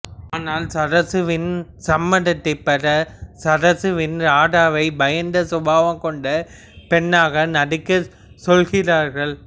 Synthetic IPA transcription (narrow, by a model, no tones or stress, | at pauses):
aːnaːlsɐɾɐsɯʋɪnsɐmːɐɽɐt̪ːɐɪpːɐrɐsɐɾɐsɯʋɪnɾaːɽaːʋɐɪbɐjɐnd̪ɐsʊbaːʋɐmkɔɳɖɐ | pɛɳːaːɣɐnɐɽɯkːɐ | sɔlɣɪraːɾɣɐɭ